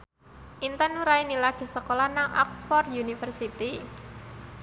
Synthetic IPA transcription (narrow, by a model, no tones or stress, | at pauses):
ʔint̪ənuɾainilaɡ̥i̤səkolɔnaŋɔ̰ksfɔrjunifərsit̪i